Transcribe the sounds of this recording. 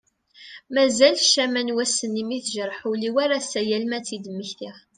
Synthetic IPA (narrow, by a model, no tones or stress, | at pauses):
mæzælʃæmænwæsːənːimiθʒəɾˤħuliwaɾasæjælmæt͡sːid̪əmːəçθiʁ